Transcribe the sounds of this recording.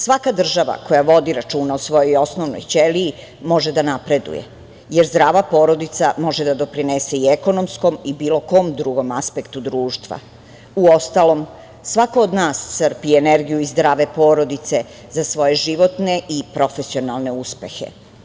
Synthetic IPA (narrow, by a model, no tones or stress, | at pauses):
sʋakad̪r̩ʒaʋa̰ko̞jaʋo̞d̪iɾat͡ʃuːnaosʋo̞jo̞jo̞snoʋno̰jt͡ʃeliː | mo̞ʒed̪anapɾe̞d̪ṵjḛ | jeɾzd̪ɾaːʋapo̞ːɾo̞d̪it̪samo̞ʒed̪ad̪o̞pɾinese̞ieko̞no̞msko̞mibiːlo̞ko̞md̪ɾuɡo̞maspekt̪ud̪ɾuːʃt̪ʋa̰ | uo̞st̪alo̞m | sʋakoːd̪naːssər̩pieneɾɡijuizd̪ɾaːʋe̞po̞ːɾo̞d̪it̪se̞ | zasʋo̞jeʒiʋo̞t̪ne̞ʔipɾo̞fe̞sio̞nalˠne̞uspe̞̰xḛ